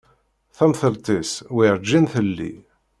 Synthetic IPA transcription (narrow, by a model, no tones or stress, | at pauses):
θæmθəɾt̪iswiɾd͡ʒːinθəlːḭ